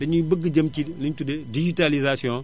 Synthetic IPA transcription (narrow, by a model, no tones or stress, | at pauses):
dɐɲubəɡːəɟɐmkiliɲtudɛdid͡ʒitalizasiɔ̃